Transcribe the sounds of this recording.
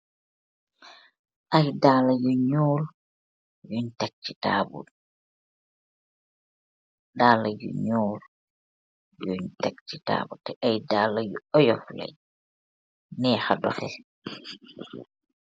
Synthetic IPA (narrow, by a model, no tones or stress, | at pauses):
ʔajdaːlajɔɲoːl | jɔɲtak̚t͡ʃːitaːbṵɗ | daːlajṵɲoːɾ | joɲtakt͡ʃita̰ːbutɛʔajdaːlajuɔjɔfla̰j | nɛhadɔ̰fɛ